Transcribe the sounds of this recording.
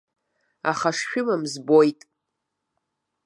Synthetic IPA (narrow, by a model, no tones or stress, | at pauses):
a̰χaʂʃᶣʊmamzbo̞jtʼ